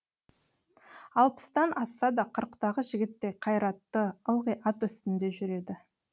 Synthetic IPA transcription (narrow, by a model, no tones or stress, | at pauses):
ɑlˠpə̥st̪ɑnʔɑsːɑd̪ɑqʰəɾqt̪ɑʁəʒɪɡʲɪt̪ːe̞qʰɑjɾɑt̪ːəəlˠʁəjʔɑt̪ʏst̪ɪnd̪e̞ʒʏɾe̞d̪ɪ